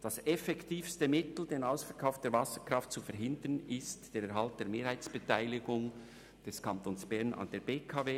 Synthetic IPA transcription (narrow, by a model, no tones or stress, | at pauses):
d̥ɑsɛfɛktʰiːfstəmɪtl̩deːnaʊsfɛkʰaʊfd̥eːɐɾvɑsə̥kʁ̥ɑft̚t͡sufɛɾɦɪndənɪstd̥eːɾɛɾɦɑlt̚d̥eːɾmeːɾhaɪt͡sb̥ətaɪlɪɡʊŋ | d̥ɛskʰɑntoːnsb̥ɛʁnɑ̰nd̥eːɾb̥eːkʰɑːveː